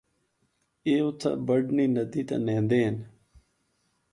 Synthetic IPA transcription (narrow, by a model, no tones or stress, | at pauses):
eːʊt̪ʰa̰bəɖniːnəd̪iːt̪ã̰ːnẽːnd̪eːn